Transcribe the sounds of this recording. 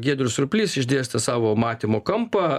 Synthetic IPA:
ɡʲiɛd̪ɾʲʊsɾʊpʲlʲiːsɪʒʲd̪ʲeːst̪ɐsɑːʋoːmɑːt̪ʲiːmoːkɐmpɐ

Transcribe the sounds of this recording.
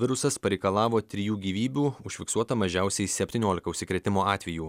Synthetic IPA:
ʋʲɪɾʊsɐspɐɾʲɛɪkɐlˠɑːʋoːt̪ʲɾʲɪjuːɡʲiːʋʲiːbʲuːʊʃʲfʲɪksuɔt̪ɐmɐʒʲɛˑʊsʲɛɪsʲɛpʲt̪ʲinʲoːlʲɪkɐʊʃʲsʲɪkɾʲɛt̪ʲɪmoːɑːt̪ʲʋʲɛjuː

